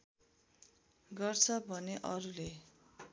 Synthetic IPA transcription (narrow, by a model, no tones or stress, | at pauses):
ɡʌrt͡sʰʌbʱʌneʔʌɾule